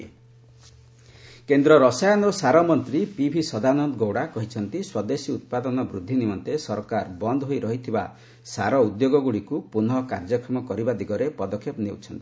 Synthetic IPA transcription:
kend̪ɾɔɾɔsajɔnɔɾɔsaɾɔmɔnt̪ɾipibʱisɔd̪anɔnd̪ɡowɽakɔɦit͡ʃʰɔnt̪iswɔd̪esiut̪̚pad̪ɔnɔbɾud̪ʱːinimɔnt̪esɔɾkaɾbɔnd̪ɔɦojɾɔɦit̪ʰiba | saɾɔud̪joɡɔɡuɽikupunɔkaɾd͡ʒɔkɾɔmɔkɔɾibad̪iɡɔɾepɔd̪ɔkʰjepnewt͡ʃʰɔnt̪i̥

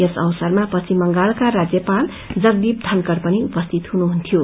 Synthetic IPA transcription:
esʌwsʌrmapʌt͡sʰimʌŋɡalkaɾad͡zjʌpal | d͡zʌɡ̚d̪ib̚d̪ʱʌnkʌrpʌniupʌst̪ʰit̪ɦunuɦunt̪ʰijo

